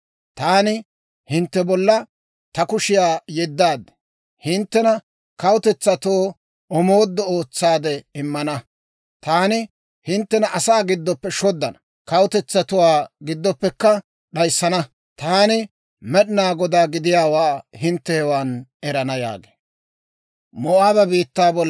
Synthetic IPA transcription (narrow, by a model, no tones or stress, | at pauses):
t̪aːnɪ | hɪnt̪ːɛbɔlːɐ | t̪ɐkʊʃɪjaːjɛd̪ːaːd̪ɛ̥ | hɪnt̪ːɛnɐ | kɐwʊt̪ɛt͡sːɐt̪oː | ɔmoːd̪ːɔoːt͡sːaːd̪ɛɪmːɐnɐ | t̪aːnɪ | hɪnt̪ːɛnɐʔɐsaːɡɪd̪ːɔpːɛʃɔd̪ːɐnɐ | kɐwʊt̪ɛt͡sːɐt̪ʊwaːɡɪd̪ːɔpːɛkːɐ | ɗɐjsːɐnɐ | t̪aːnɪ | mɛɗɪnaːɡɔd̪aːɡɪd̪ɪjaːwaːhɪnt̪ːɛhɛwaːnɛɾɐnɐja̰ːɡe̥ː | mɔʔaːbɐbiːt̪ːaːbɔl